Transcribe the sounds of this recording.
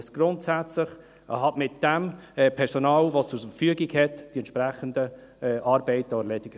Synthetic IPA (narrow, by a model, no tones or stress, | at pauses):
sɡ̥ɾʊntsæt͡slɪχ | ʔəɦɑtmɪtd̥ɛmɛpʰɛɾsɔnɑːlvost͡sʊɾfəfyəɡiɡhɛtd̥iɛntʃpɾæχəndə | ɛʔɑːɾbɛɪtːɔəlɛdɪɡ